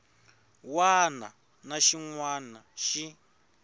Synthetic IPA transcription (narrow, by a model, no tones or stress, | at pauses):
wana̰ | naʃiŋwanaʃi